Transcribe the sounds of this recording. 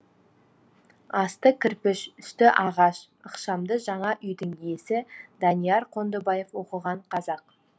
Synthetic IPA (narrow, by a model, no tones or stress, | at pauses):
ɑst̪əkʲʰɪɾpɪʃʏst̪ɪʔɑʁɑʃ | əqʃɑmd̪əʒɑɴɑʔʏjd̪ɪŋije̞sɪd̪ɑnijɑɾqʰo̞nd̪əbɑjefwo̞qəʁɑɴqʰɑzɑq̚